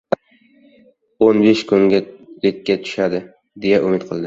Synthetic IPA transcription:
onbeʃkʰʊŋʲalɪkʲːat̪ʰʊ̥ʃad̪ɪ | d̪ejaʔʊmɪt̪qʰɨlˠd̪ɪ

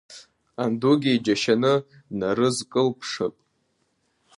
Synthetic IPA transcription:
anduɡʲid͡ʒaʃanɨ | naɾɨzkʼɨlpʰʂɨ̰pʼ

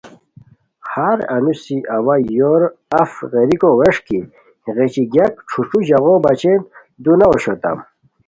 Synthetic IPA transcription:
haɾɐ̰nusiʔɐwajoɾɐfʁeɾikoweʂki | ɣet͡ɕiɡjakʈ͡ʂʰuʈ͡ʂuʑaɣobɐt͡ɕent̪ | d̪unaoɕot̪a̰m

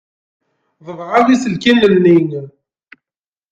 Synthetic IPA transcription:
ðˤəðˤʁalisəlkinːənːiŋ

